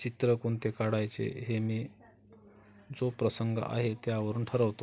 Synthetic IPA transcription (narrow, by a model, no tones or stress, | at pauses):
t͡ɕit̪ɾəkoɳt̪ekaɽajt͡sḛɦemiː | d͡zopɾəsəŋɡ̰a̰ɦet̪jaʋəɾuːnʈʰəɾəʋt̪o